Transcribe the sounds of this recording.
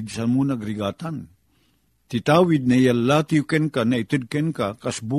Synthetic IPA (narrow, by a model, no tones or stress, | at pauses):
d̪sanmunaɡɾiɡaːt̪an | t̪it̪awid̪̚najalːat̪iukɛnkanait̪ɨd̪̚kɛnkakasbu